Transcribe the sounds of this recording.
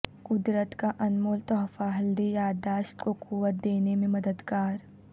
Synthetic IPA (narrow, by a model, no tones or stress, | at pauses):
kʊd̪ɾət̪kaʔɐnmoːlt̪ɔːfaɦɐld̪ijaːd̪aːʃt̪kokuʋət̪̚d̪eːnemẽmɐd̪əd̪kaːɾ